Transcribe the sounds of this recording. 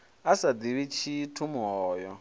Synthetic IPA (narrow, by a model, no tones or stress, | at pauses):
asad̪iβit͡ʃʰitʰumɦɔːjɔ